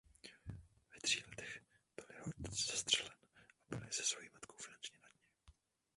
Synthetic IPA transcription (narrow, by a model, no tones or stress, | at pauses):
vɛt̪r̝̥iːlɛt̪ɛxb̥ɪlɪhod̚ɲɛt͡sz̥ast̪r̥ɛlɛnʔabɪ̰lɪzɛsvojimat̪kowfɪnant͡ʃɲɛnad̪̥ɲɛ